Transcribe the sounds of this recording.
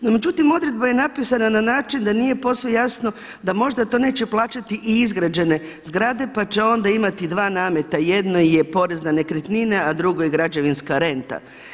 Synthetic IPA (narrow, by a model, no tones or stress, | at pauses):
nome̞d͡ʒut̪imo̞d̪ɾe̞d̪̚baje̞napisanananaːt͡ʃind̪anije̞po̞sʋejasno̞ | d̪amo̞ʒd̪at̪o̞ːne̞ːt͡ʃeplˠaːt͡ʃat̪iʔiizɡɾad͡ʑe̞ne̞ | zɡɾad̪e̞pat͡ɕeo̞nd̪aimat̪id̪ʋaːnaːme̞t̪ajed̪no̞jepo̞ɾe̞znane̞kɾet̪ninead̪ɾuɡo̞jeɡɾad͡ʒeʋinskaɾe̞nt̪a̰